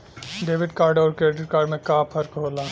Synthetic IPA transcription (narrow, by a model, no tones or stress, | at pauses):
ɖeːʋɪɖkaːɾɖɔːɾkɾeːʈɪʈ̚kaːɾɖmẽkaːpʰɐɾkɦoːlaː